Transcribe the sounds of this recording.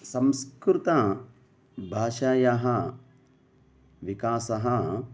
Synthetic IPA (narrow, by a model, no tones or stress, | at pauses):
sɐmskɾɾut̪a | bʱaːʃaːjɐɦɐ | ʋikaːsɐɦɐ